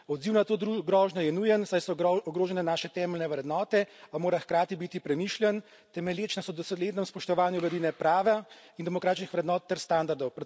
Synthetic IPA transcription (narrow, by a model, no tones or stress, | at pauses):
ɔd̪ziwnat̪oːd̪ɾuɡɾɔːʒnɔjɛnujɛnsajsɔɔɡɾoːʒɛnɛnaːʃɛt̪ɛːmɛlnɛʋɾɛd̪nɔːt̪ɛamoːɾaxkɾaːt̪ibit̪ipɾɛmiʃljɛn | t̪ɛmɛljeːt͡ʃnasɔd̪ɔsleːd̪nɛmspɔʃt̪ɔʋaːnjulɐd̪iːnɛpɾaːʋɛind̪ɛmɔkɾaːt̪t͡ʃnixʋɾɛd̪nɔːt̪ːɛɾst̪and̪aɾd̪ɔwpɾɛ